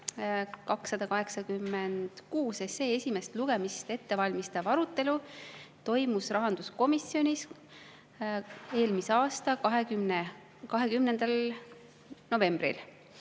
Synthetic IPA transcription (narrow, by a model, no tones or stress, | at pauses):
kɑksːɑd̪̥ɑkɑɦe̞ksɑkymːend̪̥kuːse̞se̞ːesʲimest̪luɡ̥e̞mist̪e̞t̪ːe̞vɑlʲmist̪ɑvɑɾut̪ːˑe̞lut̪o̞jmusrɑɦɑnd̪̥usko̞misjo̞nʲis | e̞ːlmiseɑːst̪ɑkɑɦe̞kymne | kɑɦe̞kymnend̪̥ɑl | no̞ve̞mb̥rḭl